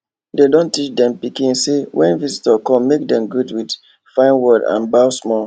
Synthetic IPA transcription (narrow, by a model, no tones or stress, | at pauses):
dedõntit͡ʃdɛ̃mpikĩnsewʔɛ̰̃nvisi̥təkɔ̃mːek̚dɛ̃mɡudwid | fãɪ̃nwɔdã̰nbaʊsmɔ